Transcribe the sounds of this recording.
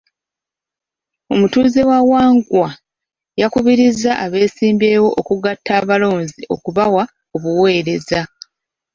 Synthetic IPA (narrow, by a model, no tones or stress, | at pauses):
o̞mutuːze̞wawaːŋɡwa | jakuβiɾizaʔaβe̞ːsiːmbe̞ːwo̞ʔokuɡatːaːβalo̞ːnziʔo̞kuβawa | oβuwe̞ːɾe̞za